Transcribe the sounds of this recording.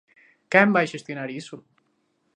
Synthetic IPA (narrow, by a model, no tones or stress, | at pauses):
kɛmbajʃest̪junaɾisu